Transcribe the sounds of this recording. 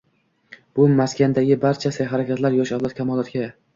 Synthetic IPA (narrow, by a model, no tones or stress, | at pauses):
b̥ʊmaskʲand̪aɡʲɪbaɾt͡ʃʰasajɦaɾakʲat̪laɾjɒʃawlˠat̪̚kʲʰamɒlˠat̪ɡʲa